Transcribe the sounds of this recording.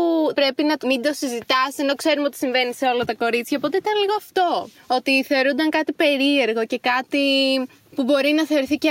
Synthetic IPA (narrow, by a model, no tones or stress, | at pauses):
upɾe̞pinɐt̪mind̪o̞sizit̪ɐseno̞kse̞ɾumeot̪i̥siɱve̞nise̞o̞lɐt̪ɐko̞ɾit͡sçɐopo̞t̪eit̪ɐnliɣoɐft̪o̞ | o̞t̪iθeo̞ɾund̪ɐŋkɐt̪ipe̞ɾie̞ɾɣo̞ce̞kɐt̪i | pubo̞ɾinɐθe̞oɾiθice